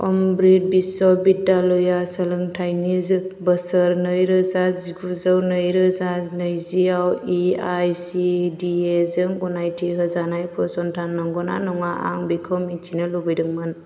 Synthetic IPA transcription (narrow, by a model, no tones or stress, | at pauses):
ɔ̰mbɾit̚bisɔbidːalɔjasəlɯŋtʰajnizbəsəɾnəjɾɯzaziɡuzəwnəjɾɯzaznəjziawiajsidiezɯŋɡɔnajtʰiɦɯzanajpʰɔsɔntʰanːɯŋɡɔna̰nɔŋaa̰ŋbikʰɔmit͡ʃʰinɯlubɯjdɯŋmɯn